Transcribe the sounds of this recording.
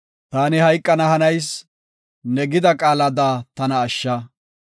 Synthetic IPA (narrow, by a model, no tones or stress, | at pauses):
t̪aːnɪhɐjkʼːɐnɐhɐnɐjs | nɛɡɪd̪ɐkʼaːlɐd̪aːt̪ɐnɐːʃːɐ